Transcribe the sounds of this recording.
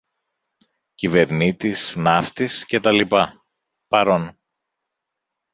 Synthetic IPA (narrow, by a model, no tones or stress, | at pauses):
cive̞ɾnit̪isnɐft̪isce̞t̪ɐlipɐ | pɐɾo̞n